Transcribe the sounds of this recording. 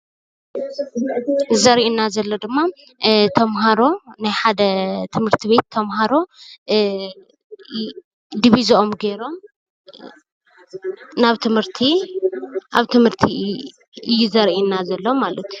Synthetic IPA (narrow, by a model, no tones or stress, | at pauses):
zɐɾʔinazɐlːod̪ɨmːa | t̪ʰɐmɦaɾo̞najħad̪ɐt̪ʰɨmhɨɾt̪ʰiβe̞t̪ʰːɐmɦaɾo̞ | d̪iβizɐʔomɡeɾo̞m | naβt̪ʰɨmhɨɾt̪ʰi | ʔa̰βt̪ʰɨmhɨɾt̪ʰi | ɨjːuzɐɾʔinːazɐlːomalɐt̪ju